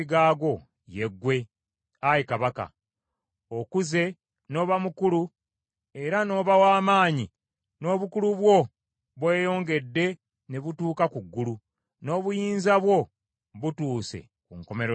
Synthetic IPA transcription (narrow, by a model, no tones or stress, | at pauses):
iɡaːɡo̞ | je̞ɡːwe̞ | ajikaβaka̰ | okuze̞ | no̞ːβamukulu | e̞ɾano̞ːβawaːmaːɲi | no̞ːβukuluβwo̞ | βwe̞ːjo̞ːŋɡe̞dːe̞ | ne̞βutuːkakuɡːulu | no̞ːβujiːnzaβwo̞ | βutuːse̞̰ | kuŋko̞me̞ɾo